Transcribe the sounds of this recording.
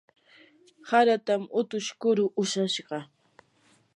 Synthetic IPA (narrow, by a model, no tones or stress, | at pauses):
haɾat̪amʊt̪ʊʃkʊɾʊʔʊʃaʃɢɑ